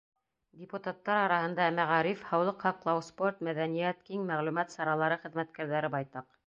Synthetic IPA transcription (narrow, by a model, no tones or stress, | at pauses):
dʲɪput̪at̪ːɑɾɑɾɑhɤ̆nd̪ɑmæʁɑɾifhɑwlˠɤqhɑqlˠɑwsport̪mæðænijæt̪kiŋmæʁlʉmæt̪sɑɾɑlˠɑɾɤχɘ̆ðmæt̪kæɾðæɾɘbɑjt̪ɑq